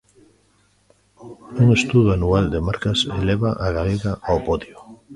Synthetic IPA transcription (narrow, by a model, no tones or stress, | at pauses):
uŋest̪uðoanuald̪emaɾkaseleβaʔaɣaleɣaʔawpoðjo